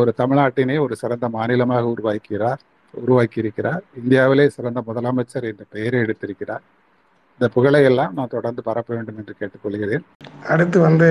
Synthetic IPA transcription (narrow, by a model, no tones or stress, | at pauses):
ɔɾɯt̪ɐmɪɭaːʈːɪneːɔɾɯsɪɾɐnd̪ɐmaːnɪlɐmaːɣɐʊɾʊʋaːkːɪɾaːɾ | ʊ̰ɾʊʋaːkɪɪɾɯkːɪɾaːɾɪnd̪ɪjaːʋɪleːsɪɾɐnd̪ɐmʊðɐlaːmɐt͡ʃːɐɾɛndrɐpɛjɐɾɐɛɽɯt̪ːɪɾɯkːɪraːɾ | ɪnd̪ɐpʊɣɐɭɐjɛlːãːmnaːt̪ɔɽɐɾnd̪ɯpɐɾɐpːɐʋeːɳɖɯmɛndrɯkeːʈːɯkːɔɭːɯɣɪɾɐðeːn | ɐɽɯt̪ːɯʋɐnd̪ɯ